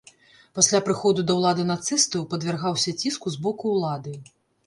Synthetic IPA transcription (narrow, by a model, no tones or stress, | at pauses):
pasʲlʲapɾɨxɔd̪ud̪ɐwlˠad̪ɨnat̪sɨst̪ɐwpɐd̪vʲɛrɣawsʲɐt͡sʲiskuzbɔkuːlˠad̪ɨ